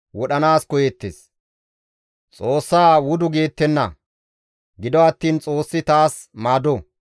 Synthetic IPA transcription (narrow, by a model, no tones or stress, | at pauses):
wɔɗɐnaːskɔjɛt̪ːḛs | t͡sʼoːsːaːwʊd̪ʊɡeːt̪ːɛnːɐ̰ | ɡɪd̪ɔɐt̪ːiːnt͡sʼo̞ːsːɪt̪aːs | maːd̪ɔ